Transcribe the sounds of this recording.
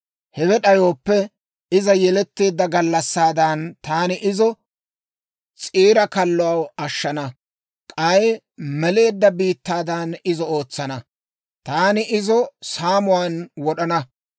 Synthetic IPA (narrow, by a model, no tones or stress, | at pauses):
hɛwɛɗɐjo̞ːpːɛ | ɪzɐjɛlɛt̪ːeːd̪ːɐɡɐlːɐsːaːd̪ɐnt̪aːnɪʔɪzɔ | t͡sʼiːɾɐkɐlːɔɐwɐʃːɐnɐ | kʼɐj | mɛle̞ːd̪ːɐbiːt̪ːaːd̪ɐnɪzɔoːt͡sːɐnɐ | t̪aːnɪʔɪzɔsaːmʊwaːnwɔɗɐnɐ